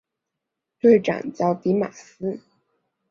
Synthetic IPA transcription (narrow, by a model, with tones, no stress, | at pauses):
t̪we˥˩ɪʈ͡ʂa̰˨˩nt͡ɕjɑ˥˩ʊt̪i˧˥ma̰˨˩sɹ̩˥